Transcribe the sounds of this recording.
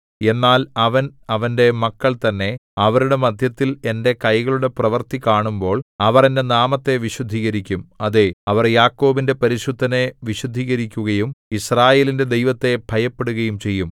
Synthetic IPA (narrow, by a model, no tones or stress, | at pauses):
e̞nːaːlɐʋɐnɐʋɐnde̞mɐkːɐɭt̪ɐnːe̞ɐʋɐɾuɽe̞mɐd̪ʱjɐt̪ːile̞nde̞kɐjɣɐɭuɽe̞prɐʋɐrt̪ikaːɳumbo̞ːɭɐʋɐrendenaːmɐt̪ːe̞ʋiɕud̪ʱːiːɣɐɾikʲːumɐðeɐʋɐrjaːkːo̞ːbinde̞pɐɾiɕud̪ʱːɐne̞ʋiɕud̪ʱːiːɣɐɾikʲːuɣɐjumisraːje̞ːlinde̞d̪e̞jʋɐt̪ːe̞bʱɐjɐpːe̞ɽuɣɐjumt͡ɕe̞jːum